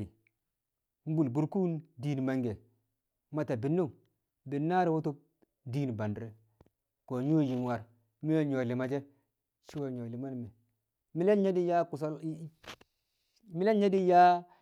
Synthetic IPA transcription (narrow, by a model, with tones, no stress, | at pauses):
i˨ | m̩˦bu˨lbu˨ɾku˦ndiː˦n˨ma˦ŋɡe˨ | ma˦ta˨bi˨nːo˦˨ŋ | bi˨nːa˦ɾi˦wo˦to˦ | diː˦n˨ba˨ndɾe˨ | ko˨ɲo˦˨ji˨nwa˨ɾ | mi˦jo˦ɲo˨li˨ma˨d͡ʒe˦ | t͡ʃi˦wo˨ɲo˨li˨ma˦n˨me˨ | mi˦le˦nɲe˦di˦ja˦ku˨s̬a˦l | mi˦le˦nɲe˦di˦ja˦